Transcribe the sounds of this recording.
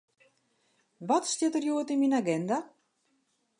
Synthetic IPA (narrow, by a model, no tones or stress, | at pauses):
ʋɔtstjɪtərjuətinminaɡɛnda